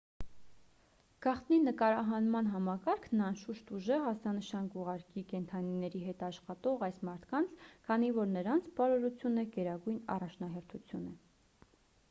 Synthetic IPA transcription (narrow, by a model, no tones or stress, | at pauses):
ɡ̥ɑχt̪ninəkɑɾɑɦɑnmɑnɦɑmɑkɑɾkʰnɑnʃuʃt̪uʒəɦɑst͡sɑnəʃɑnkuʁɑɾkikɛnt̪ʰɑninɛɾiɦɛt̪ɑʃχɑt̪ɔʁɑjsmɑɾt̪ʰkɑnt͡sʰkʰɑnivɔɾnəɾɑnt͡sʰpɑɾɔɾut͡sʰjunəɡɛɾɑɡujnɑ̰rɑt͡ʃʰnɑɦɛɾt̪ʰut͡sʰjunə